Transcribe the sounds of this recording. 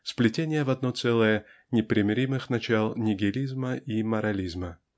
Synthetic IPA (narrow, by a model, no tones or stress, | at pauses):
splʲɪtʲenʲɪjəvɐd̪̚not̪sɛlˠəjə | nʲɪpɾʲɪmʲɪɾʲimɨxnɐt͡ɕalˠnʲɪɡʲɪlʲizməʔiməɾɐlʲizmə